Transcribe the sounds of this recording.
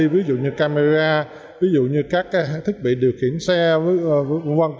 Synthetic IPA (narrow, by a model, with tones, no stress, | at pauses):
vi˨˦zṵ˧˨ɲɨ˧kaː˧me˧zaː˧ | vi˨˦zṵ˧˨ɲɨ˧kaː˦˥k̚kaː˨˦˧t̪ʰi˦˥k̚ɓḭ˧˨ɗi˨˩ək̚hi˧˩ənsɛ˧vva˧n